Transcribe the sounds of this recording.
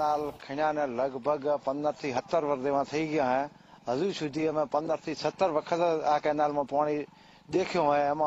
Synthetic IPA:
aːlkʰɪɽjãːnɛ̃ːləɡbʱəɡpənd̪əɾt̪ʰiːɦət̪ːəɾʋəɾd̪eːmãːt̪ʰɐiːɡɪjãːɦɛ̃ː | ɦəzuːsʊd̪iəmẽːpənd̪əɾt̪ʰiːsət̪ːəɾʋəkʰət̪aːkẽːnaːlmãːpaːɽ̃i | ɗ̪eːkʰɪjõɛ̃mã

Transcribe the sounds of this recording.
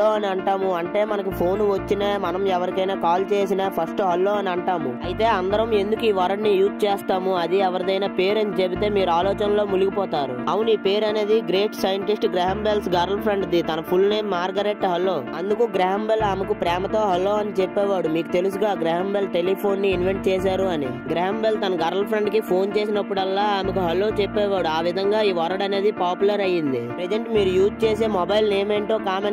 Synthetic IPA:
oːɐniɐɳʈaːmuɐɳʈe̞ːmɐnɐkupʰo̞ːnʋɐt͡ʃːinaːmɐnɐmɛʋɐɾikɐjnaːkaːlt͡ʃe̞ːsinaːpʰɐsʈɦɐlːoːɐniɐɳʈaːmṵɐjit̪e̞ːɐnd̪ɐɾɐme̞nd̪ukuiːʋɐɾɐɳːijuːt̪t͡ʃeːst̪aːmuɐd̪iɛʋɐɾɐd̪ɐjnaːpe̞ːɾɐnt͡ʃebit̪e̞ːmiːɾuaːlɔːt͡ʃɐnlo̞ːmuluɡipɔːt̪aːɾṵɐʋuniːpe̞ːɾɐne̞ːd̪iɡɾe̞ːʈsɐjɐɳʈisʈɡɾɛːɦɐmbelsɡɐɾɐlpʰɾeɳɖd̪it̪ɐnɐpʰulnejmːaːɾɡɐɾeʈːɦɐlːo̞ːɐnd̪ukuɡɾɛɦɐmbelaːmɐkupɾɛːmɐt̪o̞ːɦɐlːo̞ːɐnit͡ʃepːɛːʋaːɽumiːku̥t̪e̞lusuɡaːɡɾɛɦɐmbelʈe̞lipʰo̞ːnːiːnʋeɳʈ̚t͡ʃeːsaːɾuɐni | ɡɾaːɐmbelt̪ɐnɐɡɐɾɐlpʰɾɐɳɖkipʰo̞ːnt͡ʃe̞ːsinɐpːuɽɐlːaːaːmɐkuɦɐlːo̞ːt͡ʃepːɛːʋaːɽuaːʋid̪ʱɐŋɡaːiːʋɔɾɐɽɐne̞ːd̪ipaːpulɐɾɐjind̪ipɾed͡ʒeɳʈmiːɾujuːt̪t͡ʃeːseːmɔbɐjlneːmeːɳʈo̞ːkaːme

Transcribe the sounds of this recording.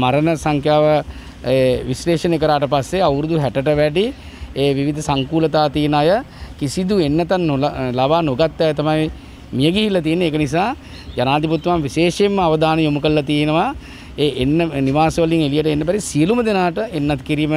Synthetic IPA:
maɾənəsaŋkʰjaːʋə | eʋisleːʃənek̬əɾaːʈəpasːeawɾud̪uɦæʈəʈəʋæɖi | eːʋiʋid̪ʱəsaŋkuːlət̪aːt̪ijənajə | kisid̪uenːɐt̪anːollabaːnoɡat̪ːɛjt̪amaj | mijəɡiɦilːat̪ijənːeːkənis̬aː | janaːd̪iput̪ːʋamʋiʃeːʃemːəaʋəd̪aːnəjomukəllat̪ijenəʋa | eːʔenːəniʋaːsəʋəliŋelijəʈ̬əenːəpæɾisijəluməd̪enaːʈəenːat̪kiɾimə

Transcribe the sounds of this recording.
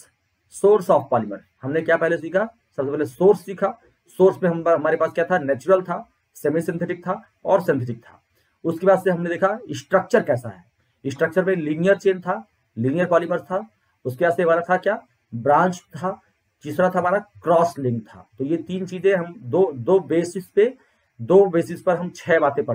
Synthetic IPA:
soːɾsɔːfpaːlɪməɾ | hɐmnekjaːpɛɦlesiːkʰa | sɐbsepɛɦlesoːɾsːiːkʰa | soːɾsmẽɦɐɦɐmaːɾepaːskjat̪ʰanɛːt͡ʃʊɾəlt̪ʰa | semisɪ̃nt̪ʰɪʈɪk̚t̪ʰa | ɔːɾsɪ̃nt̪ʰɪʈɪk̚t̪ʰa̰ː | ʊskebaːd̪seɦɐmned̪eːkʰaɪsʈɾək̚t͡ʃəɾkɛːsa̰ɦɛː | ɪsʈɾək̚t͡ʃəɾmẽlinijəɾt͡ʃeːnt̪ʰa | linijəɾpaːliməɾst̪ʰa | ʊskebaːd̪semaːɾat̪ʰakjaː | bɾãːnt͡ʃt̪ʰa | t͡ʃɪsɾat̪ʰaɦɐmaːɾakɾɔːslɪ̃ŋɡ̚t̪ʰa̰ːt̪ojet̪iːnt͡ʃiːzẽɦɐmd̪od̪oːbeːsɪspe | d̪oːbeːsɪspɐɾɦɐmt͡ʃʰɛːbaːt̪ẽpɐɽ

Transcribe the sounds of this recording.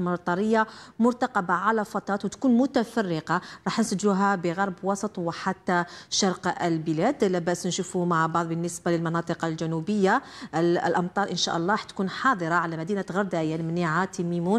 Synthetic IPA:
mɑt̪ˤɑɾˤəjːamʊɾt̪ɑqɑbaʕalæfɑt̪ˤɾˤɑːt̪wt̪kuːnmʊt̪æfɑrːəqɑɾˤɑːħnsæʒːuɦæbəɣɑɾˤbwɑsˤət̪ˤwħat̪ːæʃɑɾˤqəlbəlæd̪læbæʔsnʃufumaʕbɑʕd̪ˤbənːəsbaləlmɑnɑt̪ˤɨqɑlʒænubəjːa | lʔɑmt̪ˤɑːɾˤʔənʃæ̰ʔɑlˤːɑɾˤɑħt̪kuːnħɑːd̪ˤəɾˤɑʕalæmæd̪inat̪ɣɑɾˤd̪aʔjanmniʕat̪imimun

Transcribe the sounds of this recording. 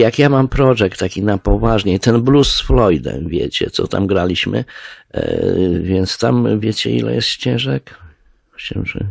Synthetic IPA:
jakjamampɾɔʐɛk̚t̪ːakʲinapɔvaʐɲɛt̪ɛnblusːflɔjd̪ɛ̰mvʲjḛt͡ɕɛ̰t̪sɔt̪a̰mɡɾalʲiɕmɘ̰ | vʲɛnt̪st̪amvʲjet͡ɕɛ̰ḭlɛ̰jɛst̪ɕt͡ɕɛ̃ʐɛk | t͡ɕɛ̰̃wʐɨ̰

